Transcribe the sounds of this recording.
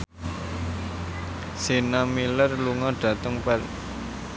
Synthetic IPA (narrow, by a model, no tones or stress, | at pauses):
senamilərluŋɔɖ̥ä̤t̪əŋpɛr